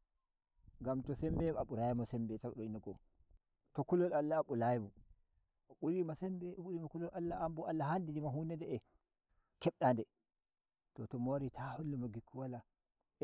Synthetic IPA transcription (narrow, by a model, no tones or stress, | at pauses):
ŋɡamtɔsɛmbɛaɓuɾajimɔsɛmbɛtaɗɔiniɡɔ | tɔkulɔlalːaɓulajimɔ | ɓuɾimasɛmbɛɓuɾimakulɔlalːaːmbɔalːahandidimaɦunɛdɛɛ | kɛɓɗandɛ | tɔtɔmoɾitʰahulːumaɡikːuwala